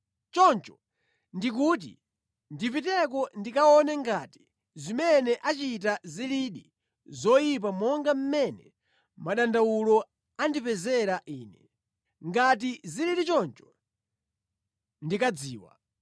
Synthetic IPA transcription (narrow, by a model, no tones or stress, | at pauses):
t͡ʃɔnt͡ʃɔ̥ | ndikuːt̬ḭ | ndipitɛkɔndikaɔnɛŋɡati̥ | zimɛnɛʔat͡ʃit̬aziliɗi | zɔjip̬amɔŋɡam̩mɛnɛ | maɗandawulɔ | andipɛzɛɾaʔiːnɛ | ŋɡat̬iziliɗit͡ʃɔnt͡ʃɔ̥ | ndikad͡ziːwa̰